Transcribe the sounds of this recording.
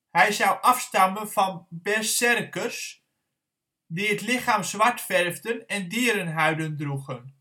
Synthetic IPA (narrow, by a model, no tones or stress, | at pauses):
hɛjzɑwʔɑfstɑmənvɑnbɛrssɛrkərs | diətlɪχaːmzʋaɹtfɛrvdənɛndiːɾənɦœɥdəndruɣən